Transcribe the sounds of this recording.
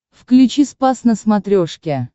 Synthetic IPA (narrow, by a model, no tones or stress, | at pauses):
fklʲut͡ɕispasnəsmat̪ɾʲoʂkʲe